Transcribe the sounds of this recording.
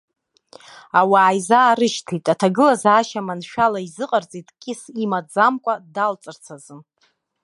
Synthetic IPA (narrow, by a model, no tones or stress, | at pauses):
awaːjzaːɾɨʃtʰitʼatʰaɡɨlazaːʃamanʃᶣalaizɨqʼart͡sʼitʼkʲʼɪsimad͡zamkʷʼadalt͡sʼɨrt͡sʰazɨm